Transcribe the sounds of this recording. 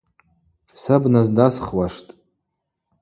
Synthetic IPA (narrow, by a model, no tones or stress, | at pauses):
sabnazdasχwaʂtʼ